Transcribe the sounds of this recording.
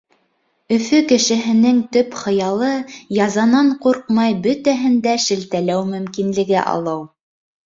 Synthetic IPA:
ɵ̆fɵkɘ̆ʃɘ̆ɦɘ̆nɘŋt̪ɵpχɤ̆jɑlˠɤjɑzɑnɑɴquɾqmɑjbɵt̪æɦɘ̆nd̪æʃɘ̆lt̪ælæwmɵ̆mkinlɘ̆ɡɘʔɑ̰lˠɤw

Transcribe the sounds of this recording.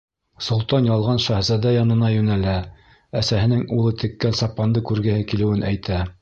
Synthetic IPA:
sŏlˠt̪ɑnjɑlˠʁɑnʃæhzæd̪æjɒnɤ̆nɑjʉnælæ | æsæɦɘ̆nɘŋulˠɤt̪ɘ̆kːænsɑpːɑnd̪ɤkʉɾɡɘ̆hɘkilɘ̆wɘnʔæjt̪æ

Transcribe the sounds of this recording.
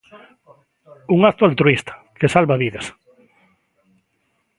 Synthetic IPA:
uŋakt̪oalt̪ɾuist̪ʰḁ | kesalβaβiðɐs

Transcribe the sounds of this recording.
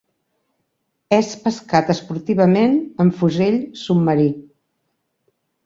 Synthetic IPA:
ɛspəskat̪əspuɾt̪iβ̞əmenəɱfuzeʎsubmːəɾi

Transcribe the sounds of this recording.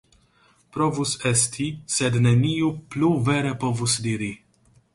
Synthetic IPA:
pɾovusest̪ʰised̪neniupluveɾepovusd̪iɾi

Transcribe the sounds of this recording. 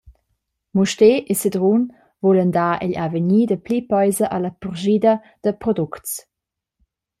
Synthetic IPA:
muʃteʔesədʁun | vuləndaːʔiʎavəɲiːdəplipɔjzɐʔalɐpuʁʒidɐ | d̥əpɾɔduktt͡s

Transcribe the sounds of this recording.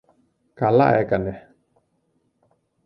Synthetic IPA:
kala̰ʔɛkanɛ

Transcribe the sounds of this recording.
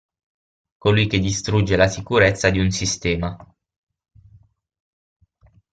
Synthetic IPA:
kolujk̟ed̪ːist̪ɾud͡ʒːelasikuɾet̪sːad̪iunsist̪ɛːma

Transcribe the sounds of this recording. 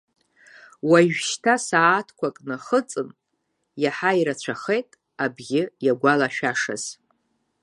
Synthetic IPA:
waʒᶣʃtʰasaːtʰkʷʰakʼnaχət͡sʼɨn | jaħaiɾat͡ɕʷʰaχe̞jtʼ | abɡʲɪjaɡʷalaʃᶣaʂa̰z̥

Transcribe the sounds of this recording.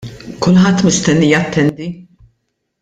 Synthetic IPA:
kʊlħɐt̪ːmɪst̪ɛnːijɐt̪ːɛnd̪i

